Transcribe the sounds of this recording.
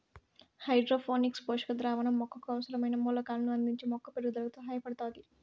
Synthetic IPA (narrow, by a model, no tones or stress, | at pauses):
hɐjɖɾoːpʰoːniksboːʂɐ̥kɐd̪ɾaːʋɐɳɐmːɔkːɐkuɐʋɐsɐɾɐmɐjnɐmuːlɐkaːlnuɐnd̪iɲt͡ʃemɔkːɐpeɽɡud̪ɐɾɐɡt̪oɦɐːjɐpɐɽɐt̪aːd̪i